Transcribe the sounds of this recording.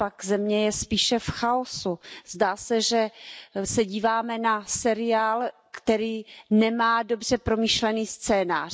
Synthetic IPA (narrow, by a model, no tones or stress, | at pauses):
pakzɛmɲɛjɛspiːʃɛfxaosuzdaːsɛʒɛsɛɟiːvaːmɛnasɛɾɪaːl | kt̪ɛɾiːnɛmaːdo̞br̝̥ɛpɾo̞miʃlɛniːst͡sɛːnaːr